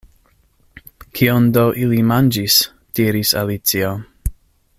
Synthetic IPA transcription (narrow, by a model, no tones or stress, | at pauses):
kʰiondowʔilimand͡ʒis | d̥iɾisa̰lit͡sio